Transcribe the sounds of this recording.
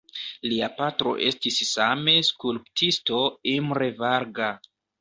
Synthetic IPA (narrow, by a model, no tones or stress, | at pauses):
liapatɾo̞̰ʔe̞stisːame̞skulptʰisto̞imɾevaɾɡa